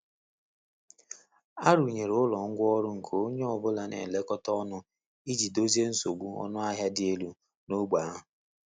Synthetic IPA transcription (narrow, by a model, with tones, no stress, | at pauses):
a˦ɾu˨ɲe˨ɾʊ˨ʊ˦lɔ˨ŋ̩˦ɡʷɔ˦ɾʊ˦ŋ̩˨kʰo˦o˦ɲe˦ɔ˨bʊ˦la˨nḛ˨le˦kɔ˦tɔ˦nʊ˦ | i˦d͡ʒi˨do˦zi˦e˦n̩˦so˨ɡ͡bu˦ɔ̰˦nʊ˦a˦ɦja˦dɪ˦e˦lu˦ | no˦ɡ͡ba˨˦ɦʊ˨